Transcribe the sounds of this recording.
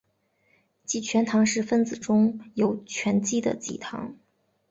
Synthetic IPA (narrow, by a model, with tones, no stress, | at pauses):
t͡ɕi˥˩t͡ɕʰɥɛ˧˥nt̪ʰɑ˧˥ŋʂɻ̩˥˩˧fə˥nd͡zɹ̩˨˩ʈ͡ʂʊ˥ŋjo˧˥ʊt͡ɕʰɥɛ˧˥nt͡ɕi˥˩d̪ə̰˨t͡ɕi˥˩t̪ʰɑ̰˧˥ŋ